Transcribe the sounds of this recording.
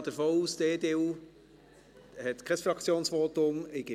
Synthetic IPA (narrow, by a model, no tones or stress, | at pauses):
d̥əfoːuːsd̥eːdeːuː | hɛt̪kʰɛsfɾɑkʰt͡sjoːnsʋoːt̪ʊmɪɡ̥ɪ